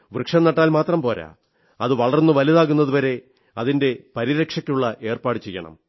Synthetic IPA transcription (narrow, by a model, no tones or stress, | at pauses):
ʋrɨkʂɐnːɐʈːaːlmaːt̪rɐmpo̞ːɾa̰ | ɐðɨʋɐɭɐrnːɨʋɐliðaːɣunːɐðuʋɐɾe̞ | ɐðinde̞pɐɾiɾɐkʂɐkʲːuɭːɐʔe̞ːrpaːɽɨt͡ɕejːɐ̰ɳɐ̰m